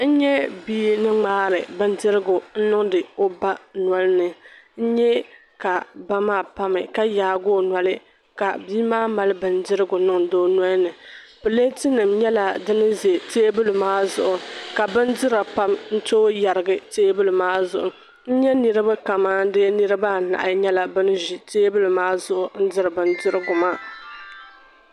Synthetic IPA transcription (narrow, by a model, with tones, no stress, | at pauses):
n̩˦ɲɛ˦biː˦nɨ˦ŋ͡maː˦ɾɨ̰˨bɨ˦n˦dɪ˦ɾɪ˦ɡʊ˨n̩˦nʊ˦ŋdɨ˨o˦ba˦nwa˦lnɨ˨n̩˦ɲɛ˦ | ka˨ba˦maː˦˨pa˦mɨ̰˨ka˦jaː˨ɡoː˦˨na˨lɨ˦ | ka̰˨biː˦maː˦ma˨lɨ˦bɨ˨ndɪ˦ɾɨ˦ɡʊ˨˦nʊ˦ŋdoː˦na˦nɨ˨ | pɨ˨le˦tɪ˦nɨ˨mɲɛ˦la˨dɨ˦nɨ˦ze˨teː˦bɨ˦lɨ˨maː˦zʊ̰˨ʔʊ˨ka˨bɨ˦ndɨ˦ɾa˨pa˦mn̩˦toː˦ja˨ɾɨ˨ɡɨ˦teː˦bɨ˦lɨ˨maː˦zʊ̰˨ʔʊ˨ | n̩˦ɲɛ˦nɨ˨ɾɨ˦ba˦ka˨maː˦dɨ˦nɨ˦ɾɨ˦ba˦˨na̰˨ʔa˨˦ɲɛ˦la˨bɨ˦n˦ʒi˨teː˦bɨ˦lɨ˨maː˦zʊ˦˨ʔʊ˨n̩˦dɨ˦ɾɨ˨bɨ˦n˦dɪ˦ɾɨ˦ɡʊ˨maː˦